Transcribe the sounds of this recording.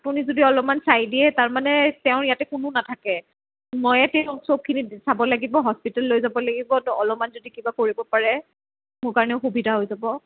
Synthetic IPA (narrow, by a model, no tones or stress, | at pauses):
apunizodiɔlɔmansajdiɛtaɹmanɛtɛʊ̃ɹijatɛkʊnʊnatʰakɛ | mɔjɛtɛʊ̃sob̚kʰinisabɔlaɡibɔɦɔspitalːojzabɔlaɡibɔnɔlɔmanzodikibakoɹibɔpaɹɛ | mʊɹkaɹɔnɛʊxubidʱaɦojzabɔ